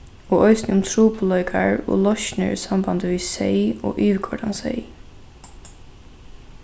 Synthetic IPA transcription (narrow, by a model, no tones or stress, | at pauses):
ɔːʔɔʏsnɪʊmt̪ʰɾuːpʊlœʏkʰaɹɔ̰ːlɔʃnɪ̰ɹsamband̪əʋiːsɛɪɔ̰ːʔʏːʋkʰɔɖansɛɪ